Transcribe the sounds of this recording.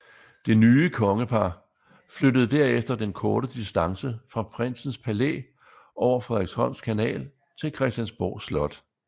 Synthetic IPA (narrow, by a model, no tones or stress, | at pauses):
d̥e̝nyːəkʰɒ̽ŋəpʰɑ̈ | fløɾəð̩ˠd̥æɐefd̥ɐd̥enkʰɔːɾ̥əd̥isd̥ɑ̈ŋsəfʁɑ̈pʰʁen̰sn̩spʰælḛ | ʔɒʊɐfʁeðˠeɡ̥shɒ̽n̰skʰænɛ̰ːl | t͡sʰe̝lkʰʁɛsd̥jænsb̥ɒ̰ːslɒ̽d̥